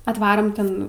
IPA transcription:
ɐtˈʋɑːroːm ˈtʲɛn

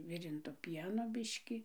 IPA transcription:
ˈʋʲɪrʲɪntoː ˈpʲiɛnoː ˈbʲɪʃʲkʲɪ

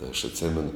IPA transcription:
tɐɪ ɐʃ ɐtʲˈsʲeːmʲɛnʊ

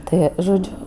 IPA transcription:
ˈtɜ ʒoːˈd͡ʒʲʊ

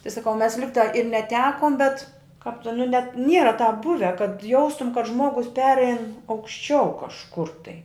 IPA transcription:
tɐɪ sɐˈkɐʊ mʲɛs ˈlʲɪktɑː ɪr nʲɛˈtʲæːkoːm bʲɛt kɑːp tʲɪn nʊ nʲɛt ˈnʲiɛrɐ tɑːp ˈbʊʋʲɛ kɐt ˈjɛʊstʊm kɐt ˈʒmuɔɡʊs ˈpʲæːrʲɛɪn ɐʊkʃʲˈt͡ʃʲɛʊ kɐʃˈkʊr tɐɪ

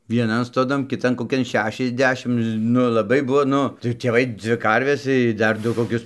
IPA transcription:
ʋʲiɛˈnɐn stoːˈdɐn kʲɪˈtɐn koːˈkʲɛn ˈʃʲæːʃʲɛzʲˌdʲæːʃʲɪm ˈnʊ lˠɐˈbɐɪ ˈbʊʋoː ˈnʊ tɐɪ tʲeːˈʋɐɪ ˈd͡zʲʋʲɪ ˈkɐrʲʋʲɛs ɪ ˈdɐr ˈdʊ koːˈkʲʊs

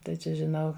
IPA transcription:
tɐɪ ˈt͡ʃʲɛ ʒʲɪˈnɐʊ

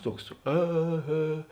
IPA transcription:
ˈtuɔks ˈeː ˈɣʲeː

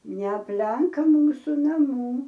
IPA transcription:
nʲɛɐpʲˈlʲɛŋk ˈmuːsʊ nɐˈmuː

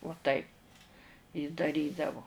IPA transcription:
uɔ ˈtɐɪp jɪ dɐˈrʲiːdɐʋoː

